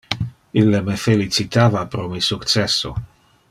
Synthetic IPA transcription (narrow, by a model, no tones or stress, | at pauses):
ilːemefelit͡sit̪aːvapɾomisukt͡sɛsːo̰